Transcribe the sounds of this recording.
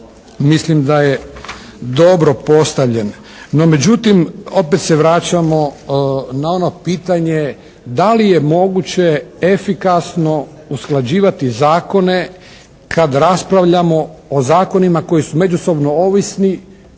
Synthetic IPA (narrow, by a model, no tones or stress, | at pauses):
mislimd̪aje̞ | d̪o̞bɾo̞po̞st̪aʋʎe̞nː | o̞me̞d͡ʑut̪imo̞pet̪seʋɾaːt͡ɕamo̞ | nao̞no̞piːt̪aɲe | d̪alije̞mo̞ɡut͡ɕe̞efikasno̞ | usklad͡ʑiːʋat̪izaːko̞ne̞ | kʰad̪ɾaspɾaʋʎamo̞ːzaːko̞nimako̞jisume̞d͡ʒuso̞bno̞oʋisni